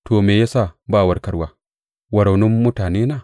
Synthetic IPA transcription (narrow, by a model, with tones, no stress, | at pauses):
toː˨meː˨ja˦saː˦˨baː˦˨wɐ˦ɽkɐ˦ɽwaː˦ | wɐ˨ɽa˨nʊ˦mːʊ˦taː˨neː˦naː˦˨